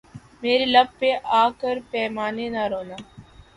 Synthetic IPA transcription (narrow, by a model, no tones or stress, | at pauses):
meːɾelɐb̚peʔaːkəɾpɛːmaːnenaɾoːnaː